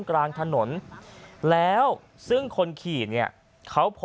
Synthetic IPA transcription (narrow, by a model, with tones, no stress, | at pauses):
nklaː˧ŋt̪ʰa˧no˩˦n | lɛː˦˥w | sɯ˥˩ŋkʰo˧nkʰiː˨˩t̪̚ni˥˩ɐ | kʰa˦˥wpʰ